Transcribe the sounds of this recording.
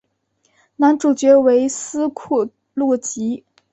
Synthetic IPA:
na˧˥nʈ͡ʂu˨˩t͡ɕɥɛ˧˥we˧˥ɪsɹ̩˥kʰu˥˩ | lɔ˥˩t͡ɕi˧˥

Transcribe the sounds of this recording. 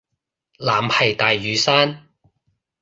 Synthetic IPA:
laː˨˩mhɐ˨jt̪aː˨jːyː˨˧saː˥n

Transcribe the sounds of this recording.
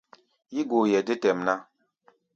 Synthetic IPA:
ji˦ɡo˨jɛ˨di˦tɛ˨mna˦

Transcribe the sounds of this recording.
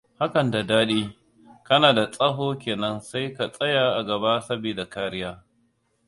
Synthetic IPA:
ha˦kɐ˨nda˨daː˦ɗiː˦ | kɐ˦naː˨da˨sʼɐ˦ɦoː˦kʲeː˨nɐ˦nsa˦jka˨sʼɐ˦jaː˨ʔa˨ɡɐ˨baː˦sɐ˦biː˨da˨kaː˦ɾɪ˦jaː˦

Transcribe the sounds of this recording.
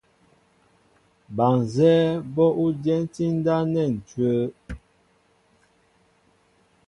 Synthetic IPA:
ba˨ŋ˨zɛ˦bɔ˦ʔu˦dɛ˦n˦ti˦n̩˦da˦nɛ˦˨n̩˨tɥə˦

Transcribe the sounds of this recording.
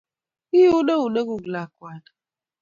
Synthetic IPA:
i˦jo˦nə˦u˨nə˦ɡu˨ɡla˨kwa˨n

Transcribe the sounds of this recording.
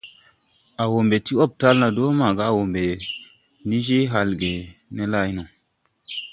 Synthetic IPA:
a˨wo˨mbe˨ti˦o˦b̚ta˦lna˨do˦ma˨ɡa˦˨wo˨mbe˨ | ni˦d͡ʒe˦ɦa˨lɡe˨ne˦la˦˨jno˨

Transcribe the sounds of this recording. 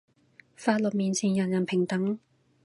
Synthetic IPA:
faː˧t̚lɔ˨t̚miː˨nt͡sʰiː˨˩njɐ˨˩njɐ˨˩npʰɪ˨˩ŋt̪ɐ˨˥ŋ

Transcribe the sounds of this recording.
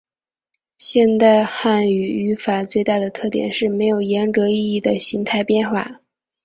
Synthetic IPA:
ɕjɛ˥˧nt̪a˥˧ɪxa˥˩ny˨˩y˧˥fa˨˩t͡swe˥˧ɪt̪a˥˩d̪ə˩t̪ʰɤ˥˩t̪jɛ̰˨˩nʂɻ̩˥˩me˧˥ɪjo˨˩ʊjɛ˧˥nʈ͡ʂɤ˧˥i˥˧i˥˩d̪ə˩ɕi˧˥ŋt̪ʰa˥˧ɪpjɛ˥˧nxwa˥˩

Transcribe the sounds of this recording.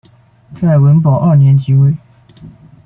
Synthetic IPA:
t͡sʰa˥˩ɪwə˧˥npɑ˨˩ʊʔə˞˥˨njɛ˧˥nt͡ɕi˧˥we˥˩ɪ

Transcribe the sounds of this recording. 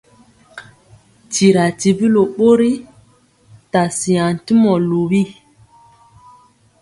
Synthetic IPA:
ti˨ɾa˨ti˨bi˦lo˨ɓo˦ɾi˦ | ta˨si˨ã˨n˨ti˦mɔ˨lo˨bi˦˨

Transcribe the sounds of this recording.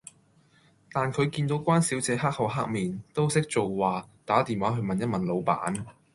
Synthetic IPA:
t̪aː˨nkʰɵ˨˧ɥkiː˧nt̪o˨˧wkʷaː˥nsiː˨˥wt͡sɛː˨˧ɦaː˥k̚hɐ˨˧wɦaː˥k̚miː˨nt̪o˥wsɪ˥k̚t͡ʃo˨wːaː˨t̪aː˨˥t̪iː˨nwaː˨˥ɦɵ˨˧mɐ˨njɐ˥t̚mɐ˨˩nlo˨˧wpa̰ː˨˥n

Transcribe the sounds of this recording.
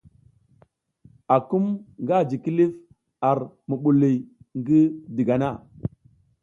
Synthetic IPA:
a˨ku˦mŋɡa˦˨d͡ʒi˨ki˦li˦f | a˨ɾmu˨ɓu˨li˨jŋɡi˦di˨ɡa˨na˦˨

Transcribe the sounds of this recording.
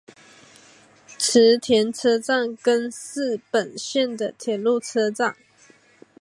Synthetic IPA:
ʈ͡ʂ̩ʰ˧˥t̪ʰjɛ˧˥nt͡sʰɤ˥t͡sa˥˩ŋkə˥nsɹ̩˥˩pə˨˩nɕjɛ˥˩nd̪ə˩t̪ʰjɛ˨˩nlu˥˩t͡sʰɤ˥t͡sa˥˩ŋ

